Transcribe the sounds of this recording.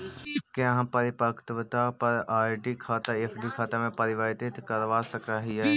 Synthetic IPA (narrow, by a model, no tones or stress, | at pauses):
kɪãɦpəɾɪpəkt̪ʋət̪apəɾaːjɖikʰaːt̪aeːpʰɖikʰaːt̪amẽpəɾɪʋaɾɪt̪ɪt̪kəɾʋasəkaɦɪɛ